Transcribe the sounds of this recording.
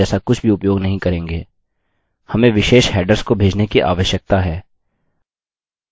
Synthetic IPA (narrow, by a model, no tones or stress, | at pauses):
ɛːsakʊt͡ʃʰbʱiʊpjoːɡnɐɦĩkɐɾẽːŋɡeː | hɐmẽʋɪʃeːʃɦɛːɖəɾskobʱeːd͡ʒnekiʔa̰ːʋəʃjək̚t̪aɦɛː